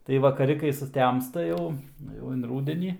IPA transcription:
tɐɪ ʋɐkɐˈrʲɪ kɐɪ sʊˈtʲɛmstɐ ˈjɛʊ ˈjɛʊ ɪn ˈruːdʲɛnʲiː

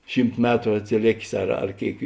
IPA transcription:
ˈʃʲiːmt ˈmʲæːtrʊ ɐtʲsʲɪˈlʲeːkʲeːs ɐr ɐr ˈkʲeːɪk

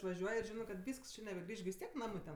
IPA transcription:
ɪʃʋɐˈʒʲuɔj ɪr ˈʒʲɪnɜ kɐt ˈʋʲiːsks ˈt͡ʃʲɪ nʲɛbʲɛˈɡrʲiːʃ ɡʲɪ ʋʲɪs ˈtʲiɛk ˈnɑːmɜ tʲɛn

